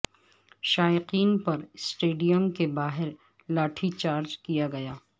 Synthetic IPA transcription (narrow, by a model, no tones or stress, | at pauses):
ʃaːjɪqiːnpɐɾsʈeːɖijəmkebaːɦɪɾ | laːʈʰit͡ʃaːɾd͡ʒkijaɡɐjaː